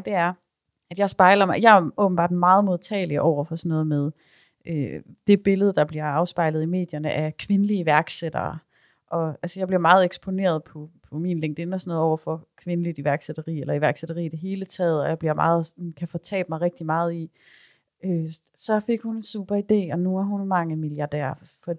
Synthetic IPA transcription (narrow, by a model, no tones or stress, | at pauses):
d̥e̝æɐ | æd̥jɑ̈ɪsb̥ɑ̈ɪlɐmɑjɑ̈ɪæɔ̽b̥n̩bɑ̰̈ːd̥mɑ̈ːð̩ˠmoðˠt͡sʰɛ̰ːliəʔɒʊ̰ɐfɒ̽sɒnɔːð̞̩ˠmeð̞ˠ | ʔød̥e̝b̥e̝ləð̞̩ˠd̥ɑ̈b̥liɐɑ̈ʊsb̥ɑ̈ɪlð̩ˠime̝̰ːd̥jɐnəʔækʰʋe̝nəliiʋæɐɡ̥sed̥ɐ̰ː | ʔɒ̽ælsəjɑ̈ɪbliɐmɑ̈ːð̩ˠeɡ̥sb̥o̝ne̝̰ːɐð̞̩ˠpʰɒ̽pʰɒ̽miːnleŋɡd̥enɒsnɔːð̩ˠɒ̰ʊɐfɒ̽kʰʋe̝nəlid̥iʋæɐɡ̥sed̥ɐʁḭːelɐiʋæɐɡ̥seɾ̥ɐʁḭːd̥e̝ɦe̝ːlət͡sʰɛ̰ːð̞̩ˠɒjäɪb̥liɐmɑ̰ːð̞̩ˠsnkʰæfɒ̽t͡sʰɛ̰ːb̥mɑ̈ɪʁɛɡ̥̚d̥imɑ̈ːð̞̩ˠi | ø | sɒ̽fe̝ɡ̥hunensṵːb̥ɐid̥e̝̰ːɒ̽nuæɐɦunmɑ̈ŋəmiljɑ̈d̥æ̰ɐ̰fɒ̥̽